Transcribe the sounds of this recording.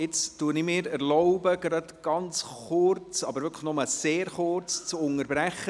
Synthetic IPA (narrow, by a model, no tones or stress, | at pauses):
ɪt͡stuənɪmɪːɾɛɾlɔʊbəɡ̥ɾɑdɡ̥ɑnt͡sχʊrt͡sɑbəɾʋʏkʰləχnʊməseːɾχʊrt͡st͡sʊŋəɾbɾæχə